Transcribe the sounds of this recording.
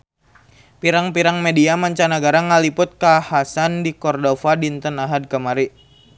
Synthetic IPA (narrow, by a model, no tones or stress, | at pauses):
piɾaŋpiɾaŋmediamaɲt͡ʃanaɡaɾaŋalipʊt̪̚kahasandikɔrdɔfadint̪ənaɦad̚kəmaɾi